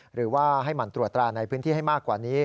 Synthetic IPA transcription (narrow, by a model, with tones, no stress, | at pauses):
ɾɯː˩˦waː˥˩ɦa˥˩jma˦˧nt̪ɾu˨˩ət̪ːɾaː˧na˧jpʰɯ˦˥nʰiː˥˩a˥˩jmaː˥˩kːwaː˨˩niː˦˥